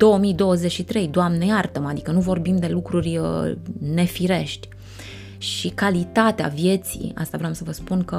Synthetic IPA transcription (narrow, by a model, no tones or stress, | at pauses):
d̪̥o̞wəmid̪o̞wəze̞t͡ʃʃit̪ɾe̞jd̪oamnejart̪əmad̪ikənuvo̞rbimd̪e̞lukɾurʲəne̞fiɾe̞ʃt̪ʲ | ʃikalit̪at̪ea̰vje̞t̪sḭa̰st̪avɾeoamsəvəspunkə